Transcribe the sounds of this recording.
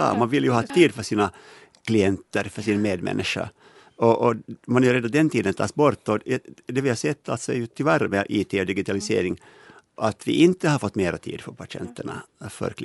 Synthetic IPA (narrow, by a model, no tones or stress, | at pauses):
ɑ̰mɑnʋɪlːjʊhɑːt̪ʰiːd̪fœʂiːna | kʰlɪɛnt̪əɾfœʂiːnmeːd̪mɛ̰nʔɪʂa̰ | ɔʔɔmɑnæjɾeːd̪ad̪ɛnt̪ʰiːd̪ənt̪ʰɑ̰ːsbɔɾt̪ːɔd̪ɛʋɪhɑsɛt̪ʰːa̰lt̪sɔjʊt̪ʰɪlʋæɾəmɛʔiːt̪ʰɛɔd̪ɪɡɪt̪ʰɑlɪsḛːɾɪŋ | ʔat̪ʋɪ̰ʔɪnt̪əhɑɾfɔt̪ːmeːɾɔ̰t̪ʰḭːd̪fœɾpʰaʂɪɛ̰nt̪əɳa̰fœ̰ɾkl